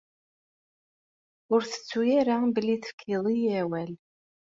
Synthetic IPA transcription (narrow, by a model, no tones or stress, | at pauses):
ʊɾθə̥t͡sːujaɾabəlːiθə̥fkʰiðˤijæwæl